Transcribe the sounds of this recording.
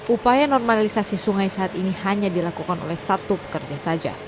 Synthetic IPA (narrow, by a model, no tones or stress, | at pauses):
ʔupajanɔrmalisasisuŋajsaːt̪inihaɲadilakukano̰lɛhsat̪upə̥kərd͡ʒasad͡ʒa̰